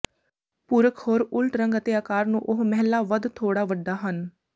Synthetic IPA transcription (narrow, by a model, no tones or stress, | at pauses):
puːɾəkhoːɾʊlʈɾəŋɡət̪eːaːkaːɾnṵ̃ːʔʊɦmɛɦɛlːaːʋəd̪t̪ʰoːɽaːʋəɖːaːɦən